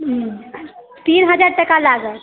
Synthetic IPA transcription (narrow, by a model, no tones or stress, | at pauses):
t̪inɦəd͡ʒaɾʈəkalaɡə